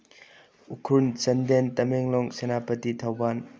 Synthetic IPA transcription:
ukʰɾunt͡ʃɐndentɐmeŋlɔŋsenapɐtit̪ʰawban

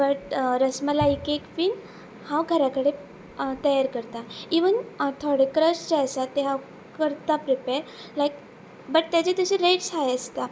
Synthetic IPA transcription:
bəʈɾəsməlaikekfiːn | hawɡʱəɾakəɽe | t̪əjaɾkəɾt̪aiʋənt̪ʰoɽekɾəɕd͡ʑeəsat̪eɦaw | kəɾt̪apɾepeɾlajk | bəʈ̚t̪jat͡ɕet̪əɕeɾeʈsɦajəst̪a

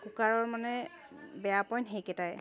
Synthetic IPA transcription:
kukaɹɔɹmanɛ | bɛapɔjnɦejkɛtajɛ

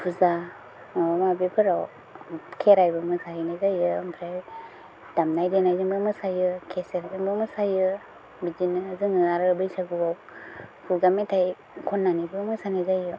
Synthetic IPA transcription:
pʰuza | mabepʰɯɾaw | kʰeɾajbɯmɯsainazajɯmpʰɾaj | d̥amnajdenajzɯŋbɯmɯsajɯkʰeseɾzɯŋbɯmɯsajɯ | bid͡ʒinɯzɯŋɯaɾɯbɯjsaɡɯbaw | pʰuɡametʰaj | kʰɔnːanibɯmɯsanajzajɯ

